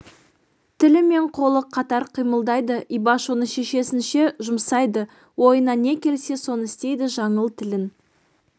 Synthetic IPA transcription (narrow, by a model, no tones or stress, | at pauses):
t̪ʰɪlɪme̞ɴqʰo̞lˠəqʰɑt̪ɑɾqʰijməlˠd̪ɑjd̪əʔibɑʃonəʃe̞ʃe̞sɪnʃe̞ʒʊmsɑjd̪ə | wo̞jənɑne̞kʲʰe̞lse̞so̞nəɪst̪e̞jd̪ɪʒɑɴəlˠt̪ʰɪlɪn